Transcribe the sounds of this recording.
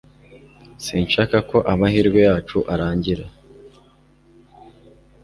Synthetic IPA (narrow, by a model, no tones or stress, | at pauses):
siːnʃaːkako̞ʔamahiːɾɡwejaːt͡ʃuʔaɾaːɲɟiɾa